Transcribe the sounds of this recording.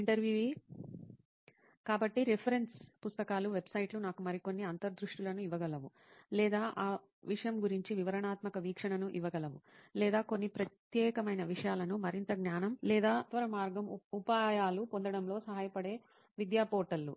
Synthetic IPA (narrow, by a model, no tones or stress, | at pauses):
iɳʈɐɾʋjuːʋi | kaːbɐʈːiɾepʰɐɾe̞nspust̪ɐkaːluʋe̞bsɐjʈlunaːkumɐɾiko̞nːiɐnt̪ɐɾd̪ɾuʂʈulɐnuiʋɐɡɐlɐʋu | lɛːd̪aːʔaː | ʋiʂɐjɐmɡuɾiɲt͡ʃiʋiʋɐɾɐɳaːt̪mɐkɐʋiːkʂɐɳɐnuʔiʋɐɡɐlɐʋulɛːd̪aːko̞nːipɾɐt̪jɛːkɐmɐjnɐʋiʂɐjaːlɐnumɐɾint̪ɐɡnaːnɐmlɛːd̪aːt̪ʋɐɾɐmaːɾɡɐmupaːjaːlupo̞nd̪ɐɽɐmlo̞ːsɐɦaːjɐpɐɽe̞ː | ʋid̪jaːpoːʈɐlːṵ